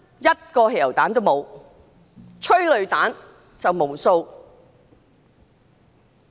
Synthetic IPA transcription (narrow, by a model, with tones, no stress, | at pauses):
jɐ˥t̚kɔː˧he˨˩jɐ˨˩wt̪aː˨˥nt̪o˥wmo˨˧w | t͡ʃʰɵ˥ɥlɵ˨ɥt̪aː˨˥n | t͡sɐ˨wmo˨˩wso˧w